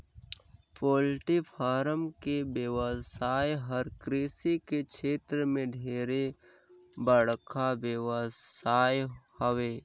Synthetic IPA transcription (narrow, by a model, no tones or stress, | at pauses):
poːlʈipʰaːɾəmkebjəwəsaːjɦəɾkɾeːsikekt͡ʃʰeːt̪ɾəmẽɖʱeːɾe | bəɽkʰabjəwəaːjhəweː